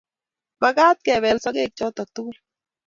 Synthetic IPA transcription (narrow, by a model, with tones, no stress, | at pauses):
ba˦ɡa˦t̪̚ke˨βe˨lsɔ˦ke˦˨k̚t͡ʃo˦t̪ɔ˨k̚t̪u˦u˦l